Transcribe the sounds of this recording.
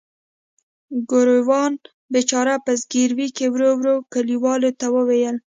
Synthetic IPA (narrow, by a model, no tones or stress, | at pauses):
ɡoɾowɑn | bet͡ʃɑɾapəzɡiɾwikewɾowɾokaliwɑlot̪awəwejəl